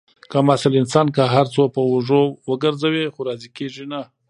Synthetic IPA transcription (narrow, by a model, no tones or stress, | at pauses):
kamasalɪnsɑnkaɦaɾt͡sopəuʐowəɡəɾzawixoɾɑzikeʐina